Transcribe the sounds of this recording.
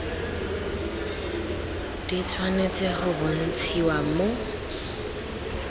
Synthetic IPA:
d̥it͡sʰwanet͡sʼɪχʊbʊn̩t͡sʰiwamo

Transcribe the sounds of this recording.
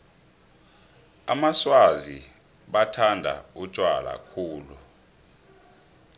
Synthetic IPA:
a̰maswazi | ɓatʰandʱa̰u̥t͡ʃʼwala̰kʰuːlu

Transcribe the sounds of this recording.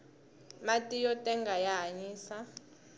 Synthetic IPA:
matʼijɔtʼɛŋɡʱajaɦaɲiːsa

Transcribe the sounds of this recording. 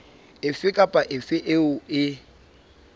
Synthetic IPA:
ɪfɪkʼapʼaʔɪfɪʔɪʊɪ

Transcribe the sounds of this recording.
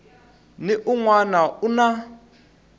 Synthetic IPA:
nɪʔuŋwanauna

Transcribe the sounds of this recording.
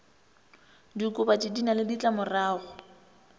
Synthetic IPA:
dikʼʊbatidinalɪdit͡ɬʼamʊraːɣʊ

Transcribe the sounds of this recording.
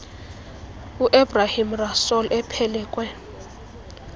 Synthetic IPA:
uʔebrahimrasɔlʔɛpʰɛlɛːkʼwɛ

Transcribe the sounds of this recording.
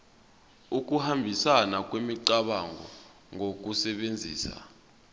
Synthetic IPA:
uk̬ʼuhambʱisanak̬ʼwemiǀaɓaŋʱɔ | ŋʱok̬usɛɓend͡zʱḭːsa̰

